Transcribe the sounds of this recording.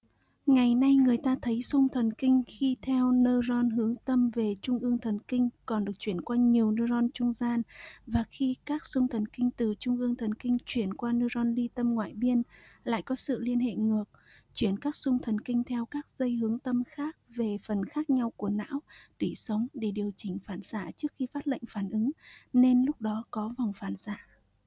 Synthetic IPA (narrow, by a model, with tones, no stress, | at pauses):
ŋa˨˩jna˧jŋɨ˨˩əjt̪aː˧t̪ʰə˨˦jsʊ˧ŋ͡mt̪ʰə˨˩nkï˧ŋ̟xi˧t̪ʰɛ˧wnəː˧zɔ˧nɦɨ˨˦əŋt̪ə˧mve˨˩t͡ɕʊ˧ŋ͡mʔɨ˧əŋt̪ʰə˨˩nkï˧ŋ̟kɔ˨˩nɗɨ˨˩ək̚t͡ɕwi˧˩ənkwaː˧ɲi˨˩əwnəː˧zɔ˧nt͡ɕʊ˧ŋ͡mzaː˧nvaː˨˩xi˧kaː˦˥k̚sʊ˧ŋ͡mt̪ʰə˨˩nkï˧ŋ̟t̪ɨ˨˩t͡ɕʊ˧ŋ͡mʔɨ˧əŋt̪ʰə˨˩nkï˧ŋ̟t͡ɕwi˧˩ənkwaː˧nəː˧zɔ˧nli˧t̪ə˧mŋwa̰ː˧˨jɓi˧ənla̰ː˧˨jkɔ˨˦sɨ̰˧˨li˧ənhḛ˧˨ŋɨ˨˩ək̚ | t͡ɕwi˧˩ənkaː˦˥k̚sʊ˧ŋ͡mt̪ʰə˨˩nkï˧ŋ̟t̪ʰɛ˧wkaː˦˥k̚zə˧jɦɨ˨˦əŋt̪ə˧mxaː˦˥k̚ve˨˩fə˨˩nxaː˦˥k̚ɲa˧wku˧˩əna̰ː˧˥wt̪wi˧˩sə˨˦wŋ͡mɗe˧˩ɗi˨˩əwt͡ɕï˧˩ŋ̟faː˧˩nzaː˧˩˨t͡ɕɨ˦˥ək̚xi˧faː˦˥t̚lə̰˧˨jŋ̟faː˧˩nʔɨ˨˦ŋne˧nlʊ˦˥k͡p̚ɗɔ˨˦kɔ˨˦va˨˩wŋ͡mfaː˧˩nzaː˧˨